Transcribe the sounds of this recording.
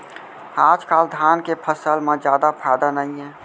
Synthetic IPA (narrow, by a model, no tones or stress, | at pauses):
aːd͡ʒkaːld̪ʱaːnkepʰəsəlmẽd͡ʒjaːd̪apʰad̪anəĩɛ̃